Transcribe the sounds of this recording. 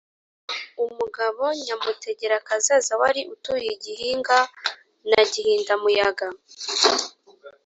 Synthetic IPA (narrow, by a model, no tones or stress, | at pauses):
umuɡaβo̞ɲamute̞ɟe̞ɾakazazawaɾiʔutujeɟiɦiːŋɡa | naɟihiːndamujaɡa